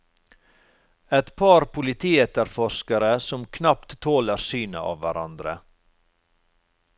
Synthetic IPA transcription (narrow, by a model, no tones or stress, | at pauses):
ɛt̪pʰɑːɾpʰʊlɪt̪ʰiːɛt̪əɾfɔʃkɑɾəsɔmkʰnɑp̚t̪t̪ʰoːləɾsyːnə̰ʔɑ̰ːʋʋæɾɑ̰nd̪ɾə̰